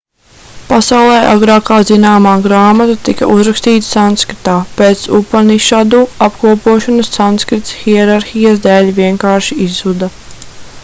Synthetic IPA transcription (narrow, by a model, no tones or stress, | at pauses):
pasawlˠɛːʔaɡɾɑːkaːzinaːmaːɡɾaːmat̪at̪ikɐʔuzɾakst̪iːt̪sanskɾit̪aːpeːt̪supaniʃad̪uːapkuɔpuɔʃɔnɐssanskɾit̪sxiɛɾaɾxijasd̪ɛːlʲviɛŋkaːɾʃiizud̪ɐ